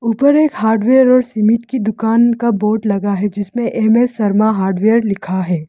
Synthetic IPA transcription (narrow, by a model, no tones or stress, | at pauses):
uːpəɾeːkɦaːɾɖʋeːjəɾɔːɾsimɪʈkid̪ʊkaːnkaboːʈlɐɡaɦɛd͡ʒɪsmẽʔeːmɛːsːɐɾmaɦaːɾɖʋeːəɾlɪkʰaɦɛː